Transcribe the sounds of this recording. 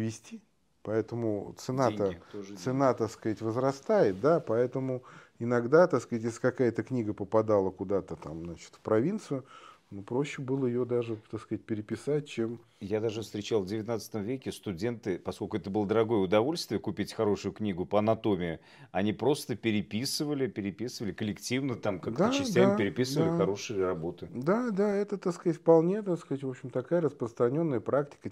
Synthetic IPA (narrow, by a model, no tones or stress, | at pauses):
vʲɪsʲtʲi | pɐɛt̪əmʊt̪sɨnaeəɪt̪oʐt̪sɨnat̪akskɐatʲvəzɾɐst̪ajɪt̪̚d̪apɐɛt̪əmʊɪnɐɡd̪at̪ɐksktʲjesʲlʲɪkɐkajət̪əknʲiɡəpəpɐd̪alˠəkʊd̪at̪ət̪amnat͡ɕɪ̥t̪fpɾɐvʲint̪sɨjʊnupɾoɕːɪbɨlˠəɪjod̪aʐɨt̪akskɐat̚ʲpʲɪɾʲɪpʲɪsat̚ʲt͡ɕem | jad̪aʐɨfst̪ɾʲɪt͡ɕalˠvdʲɪvʲɪt̪nat̪sɨ̥t̪əmvʲekʲɪst̪ʊdʲe̞nt̪ɨpɐsko̞lʲkʊɛt̪əbɨlˠəd̪əɾɐɡo̞jəʊd̪ɐvo̞lʲst̪vʲɪjəkʊpʲitʲxɐɾo̞ʂʊjʊknʲiɡʊpəɐnɐt̪o̞mʲɪɪ | ɐnʲipɾo̞st̪əpʲɪɾʲɪpʲisɨvəlʲɪpʲɪɾʲɪpʲisɨvəlʲɪkəlʲɪktʲivnət̪amkakdt̪ət͡ɕɪsstʲamapʲɪɾʲɪpʲisɨvəlʲɪxɐɾo̞ʂɨjɪrɐbo̞t̪ɨd̪ad̪aɛt̪ət̪akskəzatʲfpɐlˠnʲet̪akskəatʲvo̞pɕɪmt̪ɐkajəɾəspɾəst̪ɾɐnʲo̞nːəjəpɾaktʲɪ̥kə